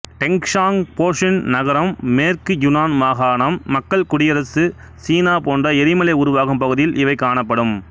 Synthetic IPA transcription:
ʈɛŋkʂaːŋpoːʂɪnnɐɣɐɾɐmːeːrkɯjʊnaːnʋaːɣaːɳɐmːɐkːɐɭkʊɽɪjɐɾɐsɯ | siːnaːpoːndrɐɛɾɪmɐlɐɪʊɾʊʋaːɣɯmpɐɣɯðɪjɪlʔɪʋɐɪkaːɳɐpːɐɽɯm

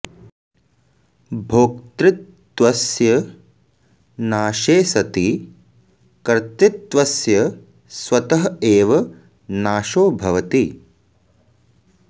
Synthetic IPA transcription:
bʱoːk̚t̪ɾɪt̪ː | ʋɐsjɐ | naːʃeːsɐt̪i | kɐɾt̪ɪt̪ːʋɐsjɐ | sʋɐt̪ɐɦɐeːʋɐ | naːʃoːbʱɐʋɐt̪i

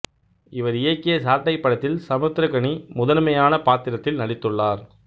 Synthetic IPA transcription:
ɪʋɐɾɪjɐkːɪjɐsaːɾʈːɐɪpːɐɽɐt̪ːɪlsɐmɐt̪ːɪɾɐkɐɳimʊðɐnmɐjaːnɐpaːt̪ːɪɾɐt̪ːɪlnɐɽɪt̪ːɯɭːaːɾ

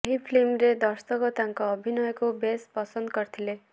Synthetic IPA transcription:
ɦipʰlimɾed̪ʌrst̪ʌkʌt̪aŋkoʌbʱinʌjkobespʌsʌnd̪kʌrt̪ʰile

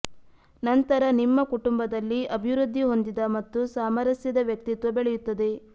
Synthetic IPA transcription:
nɐnt̪ɐɾɐnimːɐkuʈumbɐd̪ɐlːiɐbʱiʋɾud̪ʱːiɦo̞nd̪id̪ɐmɐt̪ːusaːmɐɾɐsjɐd̪ɐʋjɐk̚t̪it̪ʋɐbeɭɛjut̪ːɐd̪e̞

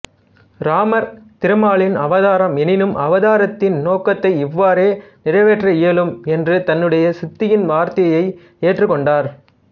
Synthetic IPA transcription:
ɾaːmɐɾt̪ɪɾɯmaːɭɪnɐʋɐðaːɾɐmɛnɪnɯmʔɐʋɐðaːɾɐt̪ːɪnnoːkːɐt̪ːɐɪɪʋːaːɾeːnɪrɐɪʋeːʈrɐɪɛlɯmɛndrɯt̪ɐnːɯɽɐjɐsɪt̪ːɪjɪnʋaːɾt̪ɐjɐjɐɪ | eːʈrɯkːɔɳɖaːɾ

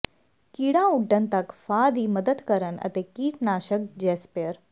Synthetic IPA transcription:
kiːɽãuɖənt̪ɐkfaːd̪iːməd̪əd̪kəɾənɐ̰t̪ekiːʈnaːʃək̚d͡ʑeːspeəɾ

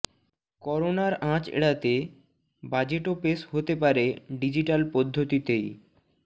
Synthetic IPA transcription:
kɔɾonaɾãt͡ɕḛɽat̪e | bad͡ʑeʈopesɦot̪epaɾeɖid͡ʑiʈalpɔd̪ʱːot̪it̪ej

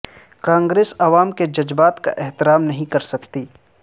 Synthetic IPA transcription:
kãːŋɡɾeːsɐʋaːmked͡ʒɐd͡ʒbaːt̪ka̰ʔɛɦt̪ɪɾaːmnɐɦĩkɐɾsɐkt̪iː

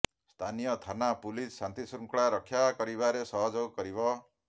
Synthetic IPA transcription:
st̪ʰanijɔt̪ʰanapulissant̪isuŋkɭaɾɔkʰːjakɔɾibaɾesɔɦɔd͡ʒɔɡkɔɾibɔ

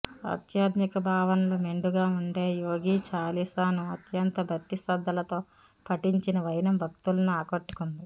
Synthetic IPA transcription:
ɐ̰t̪jaːd̪nikɐbʱaːʋɐnɐlome̞ɳɖuɡaːuɳɖeːjoːɡiːt͡ʃaːlisaːnuɐt̪jɐnt̪ɐbʱɐt̪ːisɐd̪ʱːɐlɐt̪o̞ː | pʰɐʈːiɲt͡ʃinɐʋɐjnɐmbʱɐk̚t̪ulɐnuaːkoʈːu̥kund̪i

